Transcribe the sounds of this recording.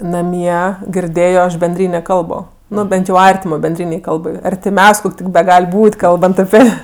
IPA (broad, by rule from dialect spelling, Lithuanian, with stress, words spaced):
nɐˈmʲiɛ ɡʲɪrʲˈdʲeːjoː ˈɐʃ bʲɛnʲˈdʲrʲiːnʲeː ˈkɐlˠboː ˈnʊ ˈbʲɛnt jɛʊ ˈɐrʲtʲɪmoː bʲɛnʲˈdʲrʲiːnʲɛɪ ˈkɐlˠbɐɪ ɐrʲtʲɪˈmʲɛʊsʲ ˈkoːkʲ tʲɪk bʲɛˈɡɐlʲ ˈbuːtʲ ˈkɐlˠbɐnt ɐˈpʲɪ